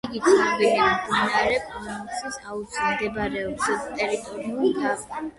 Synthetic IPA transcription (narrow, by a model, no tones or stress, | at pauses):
iɡit̪sʰnabɛliamɡ̪inaɾɛpʼɔnusisaut̪sʰald̪ɛbaɾɛɔbsɛst̪ʼɛɾit̪ʼɔɾiulidava